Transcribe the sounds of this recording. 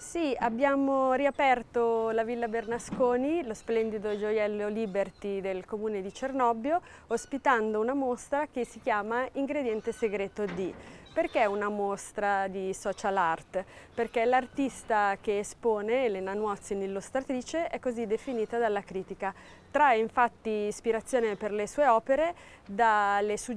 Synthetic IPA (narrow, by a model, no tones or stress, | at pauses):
siabːjaːmoɾiapɛrt̪olavilːabernaskoːnilosplɛnd̪id̪od͡ʒojɛlːoliːbert̪id̪elkomuːned̪it͡ʃernɔbːjo | ospit̪and̪ounamost̪ɾak̟esːik̟jaːmaiŋɡɾed̪jɛnt̪eseɡɾeːt̪od̪iperk̟eɛunamost̪ɾad̪isɔːt͡ʃalart̪perkelart̪ist̪ak̟eːspoːnelenanwɔt̪sinilːust̪ɾat̪ɾiːt͡ʃeɛkːozid̪efiniːt̪ad̪alːakɾiːt̪ika | t̪ɾaeiɱfat̪ːiːspiɾat̪sːjoːneperlesuːeɔːpeɾe | d̪alːesu